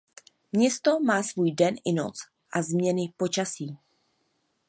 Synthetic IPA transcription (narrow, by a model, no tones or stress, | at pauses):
mɲɛst̪o̞maːsvuːjdɛnʔɪno̰t͡s | ʔazmɲɛnɪpo̞t͡ʃasiː